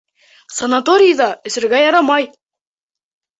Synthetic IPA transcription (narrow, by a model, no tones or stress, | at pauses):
sɑnat̪oɾʲɪjd̪ɑɵ̆sɘ̆ɾɡæjɑɾɑmɑj